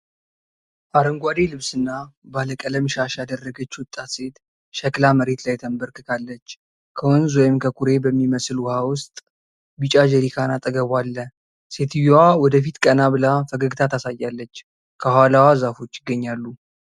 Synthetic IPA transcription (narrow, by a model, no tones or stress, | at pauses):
ʔaɾəŋɡʷad̪e̞lɨβsɨnːabaləkʼələmʃaʃad̪ərːəɡət͡ʃːwʊt̪ʼːat̪se̞t̪ | ʃəklaməɾe̞t̪lajt̪ʰəmbəɾkʰɨkʰalːət͡ʃː | kʰəwonzwɔjɪmkʰəkʰuɾe̞bəmːiməslwʊhawʊst̪ʼ | bɨt͡ʃʼad͡ʒəɾikʰanat̪ʼəɡəβʷalːə | se̞t̪ʰɨjowawɔd̪əfit̪kʼənaβɨlafəɡəɡɨt̪ʰat̪asajːalːət͡ʃː | kʰəhalawazafo̞t͡ʃːɪɡːəɲːalːu